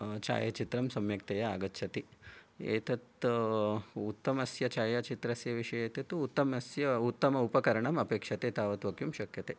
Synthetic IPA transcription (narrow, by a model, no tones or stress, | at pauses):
t͡ʃa̰ːjɐt͡ʃit̪ɾɐmsɐmjɐkt̪ɐjɐaːɡɐt̪ːʃʰɐt̪iḛːt̪ɐt̪ | ut̪ːɐmɐsjɐt͡ʃaːjɐt͡ʃit̪ɾɐsjɐʋiʂɐjeːt̪ɐt̪uut̪ːɐmɐsjɐut̪ːɐmɐupɐkɐɾɐɳɐmɐpeːkʂɐt̪et̪aːʋɐt̪ʋɐkjumʃɐkjɐt̪e